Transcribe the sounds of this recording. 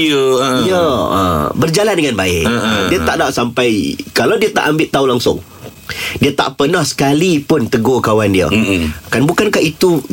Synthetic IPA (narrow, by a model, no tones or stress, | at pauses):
əijə̰ | bərd͡ʒalandəŋãnbaɪʔdiət̪aʔdaʔsampajkalawdiət̪a̰ʔambɪʔt̪aulaŋsʊ̰ŋ | diət̪a̰ʔpənahsə̥kalipʊnt̪əɡokawandiə̰kanbukankahit̪u